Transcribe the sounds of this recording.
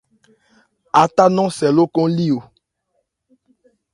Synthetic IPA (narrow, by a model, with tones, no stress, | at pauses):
a˨ta˦nɔ̃˦sɛ˨lo˦kɔ̃˦li˦o˨